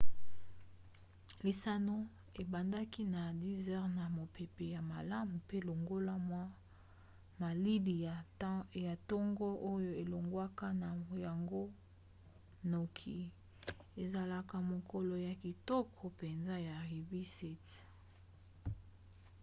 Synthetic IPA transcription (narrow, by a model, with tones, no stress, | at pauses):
li˨sa˦no˦ | e˨ba˨nda˦ki˦na˨di˦zɛ˦ʁna˨mo˨pe˨pe˨ja˨ma˨la˦mu˨pe˦˨lo˨ŋɡo˦la˦mwa˦ | ma˨li˦di˨ | ja˨tɔ˦ŋɡɔ˦ʔo˦jo˦e˨lo˨ŋɡwa˦ka˦na˨ja˨ŋɡo˦ | no˨kʰi˨ | e˨za˨la˦ka˦mo˨ko˦lɔ˨ja˨ki˨tɔ˦kʰɔ˨pe˨nza˦ja˨ʁi˨bi˦sɛ˨t